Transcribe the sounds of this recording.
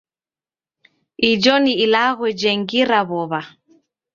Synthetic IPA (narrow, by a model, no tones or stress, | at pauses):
id͡ʒɔniilaɣwɛd͡ʒɛŋɡiɾaβɔβa